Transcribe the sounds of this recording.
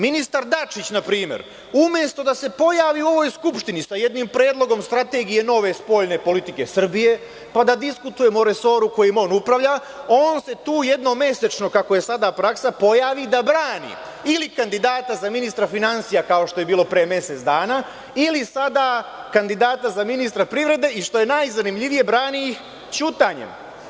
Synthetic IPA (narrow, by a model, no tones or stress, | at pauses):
minist̪aɾd̪at͡ʃit͡ɕnapɾiːme̞̰ɾ | umje̞st̪o̞d̪ase̞po̞jaːʋiuo̞ʋo̞jskupʃt̪inisaje̞d̪nimpɾe̞ːd̪lˠo̞ɡo̞mst̪ɾat̪e̞ːɡije̞no̞ʋe̞spo̞ʎne̞po̞lit̪ike̞sr̩bije̞ | pad̪ad̪iskut̪uje̞moɾe̞so̞ːɾuko̞jimo̞ːnupɾaʋʎa | o̞ːnse̞t̪uːje̞d̪no̞me̞se̞t͡ʃno̞kako̞je̞sad̪apɾaksapo̞jaːʋid̪abɾaːnḭ | ilikand̪id̪aːt̪azaminist̪ɾafinansijakao̞ʃt̪o̞je̞biːlˠo̞pɾeːmje̞se̞t̪d̪aːnaː | ilisad̪akand̪id̪aːt̪azaminist̪ɾapɾiʋɾe̞d̪e̞iʃt̪o̞je̞najzanimʎiʋije̞bɾaːnijix | t͡ʃuːt̪aɲḛm